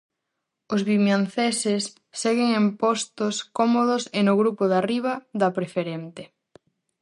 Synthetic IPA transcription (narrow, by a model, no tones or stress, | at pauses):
ʊzβimjanθesesː | eɣeŋempost̪oskɔmoðʊsenʊɣɾupoðariβ̞ɐðɐpɾefeɾent̪e